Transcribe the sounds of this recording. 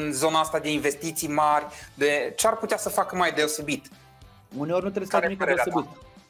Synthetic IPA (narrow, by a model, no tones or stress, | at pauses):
nzo̞naast̪ad̪e̞invest̪it̪sijmarʲd̪e̞t͡ʃearput̪easəfakəmajd̪e̞o̞se̞bit̪ | uneo̞rʲnut̪ɾesaeimieɾeoaebit̪